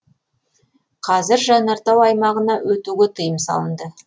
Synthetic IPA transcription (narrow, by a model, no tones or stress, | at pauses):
qʰɑzɪɾʒɑnɑɾt̪ɑwɑjmɑʁənɑwɵt̪uɡʲet̪ʰəjəmsɑ̰lˠənd̪ə